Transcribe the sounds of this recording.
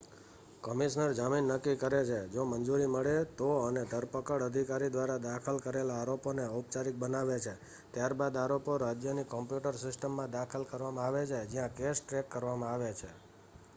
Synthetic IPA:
kəmiʃnəɾd͡ʒaminːəkːikəɾet͡ʃʰed͡ʒomənd͡ʒuɾiməɭet̪oəned̪ʱəɾpəkəɽəd̪ʱikaɾid̪ʋaɾad̪akʰəlkəɾelaːɾoponeəwp̚t͡ʃaɾik̚bənaʋet͡ʃʰe | t̪jaɾbad̪aɾopoɾad͡ʒjənikɔmpjuʈəɾsɪsʈəmːãd̪akʰəlkəɾʋamãaʋet͡ʃʰed͡ʒijãkesʈɾekːəɾʋamãaʋet͡ʃʰe

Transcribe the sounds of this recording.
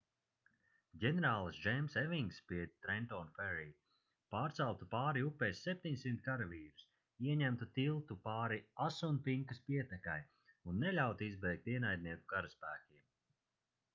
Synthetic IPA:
ɡʲɛneɾaːlˠsʒɛjmsɛviŋɡspiɛt̪ɾɛnt̪ɔnfɛɾi | paːɾt̪salˠt̪upaːɾiupːɛːsːɛp̚ʲt̪ʲiɲsimt̪kaɾaviːɾu̥s | iɛɲæmt̪ut̪ilˠt̪upaːɾiasunpiŋkɐspiɛt̪ɛkaj | unːɛlʲawt̪uizbɛjk̚t̪iɛnajd̪̚niɛkuɡaɾaspæːkʲiɛm

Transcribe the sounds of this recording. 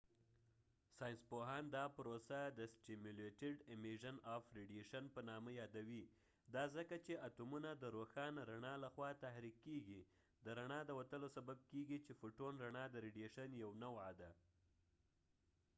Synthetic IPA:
sɑjɪnspoɦɑnd̪ɑpɾosad̪əsʈimuleʈɪɖɪmiʒanɑfɾeɖjeʃanpənɑməjɑd̪awi | d̪ɑzəkat͡ʃeat̪umunad̪əɾoxɑnɾaɳɑlaxwɑt̪ahɾikːeɡi | d̪əɾaɳɑd̪əwat̪əlosabab̚keɡit͡ʃefoʈonɾaɳɑd̪əɾiɖjeʃanjawnawad̪a

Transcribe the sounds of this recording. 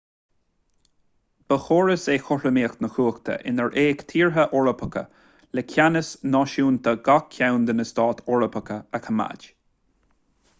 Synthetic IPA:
b̥əxoːɹəsexɔɹəmeːxt̪nəxuːxt̪ʰə̰ʔɪ̰nəɹʔeːkt̪ʰiːɹɦəʔɔɹəpʰəkə̰ | lɛkʰanəsnɔʃuːnt̪ʰaɡakʰːawnd̪ənəst̪ɑːt̪ʰɔɹəpʰəkəəkʰəma̰d͡ʒ

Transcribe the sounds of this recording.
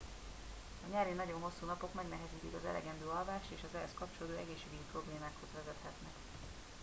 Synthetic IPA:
ɒɲɛɾinɒɟo̞mɦo̞sːuːnɒpo̞kmɛɡnɛɦɛziːt̪ikɒzɛ̰lɛ̰ɡɛnd̪øːɒlvaːʃt̪eːʃɒzɛɦɛskɒpt͡ʃoloːd̪oːɛɡeːʃeːɡyd̪iːpro̞bleːmaːkho̞zʋɛzɛt̪hɛt̪nɛk

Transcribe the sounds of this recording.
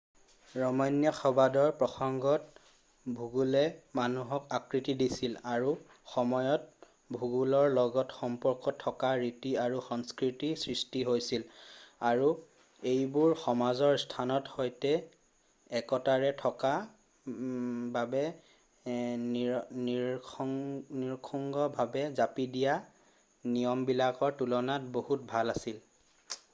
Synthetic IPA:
ɹɔmɔjnjɔxɔbadɔɹpɹɔxɔŋɡɔt̚ | bʱuɡulɛmanuɦɔkakɹitidisilaɹu | xɔmɔjɔt̚ | bʱuɡulɔɹlɔɡɔtxɔmpɔɹkɔtʰːɔkaɹitiaɹuxɔŋskɹitisɹistiɦojsilaɹu | ejbʊɹxɔmazɔɹstʰanɔtxojtɛ | ɛkɔtaɹɛtʰɔka | babɛ | n | niɹkʰɔŋɡɔbʱabɛzapidija | nijɔmbilakɔɹtulɔnatbohut̚bʱalasil

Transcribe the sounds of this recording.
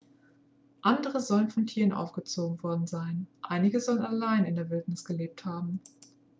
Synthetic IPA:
ʔandəʁəzɔlənfɔntʰiːʁənʔa̰ʊfɡ̥ət͡soːɡŋ̩vɔɐdn̩zaɪnʔa̰ɪnɪɡəzɔlənalaɪnɪndeɐvɪltnɪsɡ̥əleːp̚thaːbm̩

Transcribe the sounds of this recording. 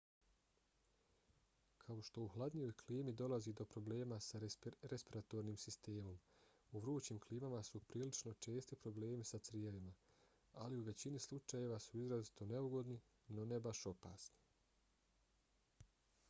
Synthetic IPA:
kʰao̞ʃt̪o̞uhlˠad̪ɲijo̞jkʰliːmid̪o̞lazid̪o̞pɾo̞ble̞ːmasaɾespiɾat̪o̞ɾniːmsist̪e̞ːmo̞m | uʋɾuːt͡ɕiːmkliːmamasupɾiːlit͡ʃno̞t͡ʃe̞ːst̪ipɾo̞ble̞ːmisat̪sɾijeʋima | aliuʋe̞t͡ɕinislˠut͡ʃaje̞ʋasuizɾazit̪o̞ne̞uɡo̞d̪ni | no̞ne̞baʃo̞pa̰ːsni̥

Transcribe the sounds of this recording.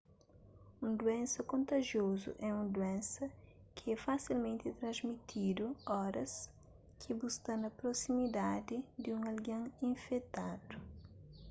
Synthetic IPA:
ũd̪uɛ̃nsɐkõnt̪ɐʒjozʊ̰ʔɛũnd̪uɛ̃nsɐ | kʰɪɛfasilmẽnt̪ɪt̪ɾɐ̃zmit̪ʰid̪ʊɔɾɐs | kʰɪbust̪ɐnɐpɾosimid̪ad̪ɪd̪ɪũŋɐlɡɐ̃ŋĩɱfɛt̪ad̪ʊ

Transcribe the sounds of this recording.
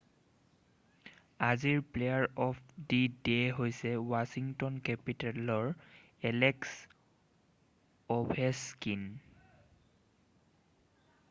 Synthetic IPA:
aziɹplejaɹɔpʰdideɦojsɛwasiŋtɔnkɛpitalɔɹ | ɛleks | ɔbʱeskin

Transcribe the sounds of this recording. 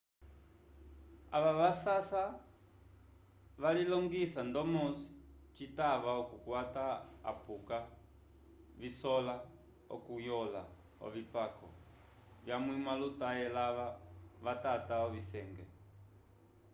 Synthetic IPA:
a̰βaʋasasa | βalilɔŋɡisandɔmɔsi̥ | t͡ʃitaʋaɔkukwataa̰puka | βisɔla | ɔ̰kujɔla̰ | ɔ̰βipakʰɔ̰ | βjamwimalutajɛlaʋaʋatataɔβisɛŋɡɛ

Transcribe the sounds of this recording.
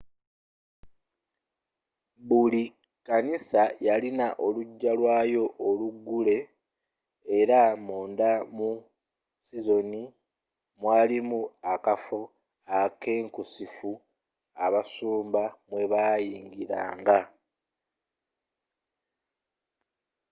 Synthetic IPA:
βuli | kanisajalinaʔo̞luɟːalwaːjo̞ʔoluɡːule̞ | ɾamuːndamu | sizo̞ni | mwaːlimuakafo̞ | ake̞ːŋkusifu | aβasuːmbamwe̞βaːjiːŋɡiɾa̰ːŋɡa

